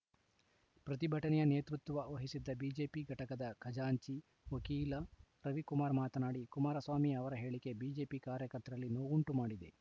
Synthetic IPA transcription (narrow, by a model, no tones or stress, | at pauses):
pɾɐt̪ibʱɐʈɐnɛjɐne̞ːt̪ɾut̪ːʋʋɐoːɦisid̪ːɐbiːd͡ʒe̞ːpiɡʱɐʈɐkɐd̪ɐkʰɐd͡ʒaːɲt͡ʃi | ʋɐkiːlɐɾɐʋikumaːɾmaːt̪ɐnaːɽikumaːɾɐsʋaːmiɐʋɐɾɐɦe̞ːɭike̞biːd͡ʒe̞ːpikaːɾjɐkɐɾt̪ɐɾɐlːinoːɡuɳʈumaːɽid̪e̞̰